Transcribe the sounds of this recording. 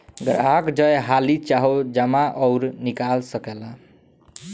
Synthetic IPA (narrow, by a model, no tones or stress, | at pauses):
ɡəɾakd͡ʒəjɦalit͡ʃaɦod͡ʒəmaʔɔʊɾnikalsəkɛla